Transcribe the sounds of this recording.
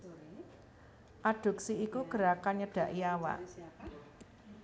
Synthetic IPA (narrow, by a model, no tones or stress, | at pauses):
ʔaɖ̥ṳk̚siikuɡ̥ə̤ɾakanɲəɖ̥a̤ʔiawa̰ʔ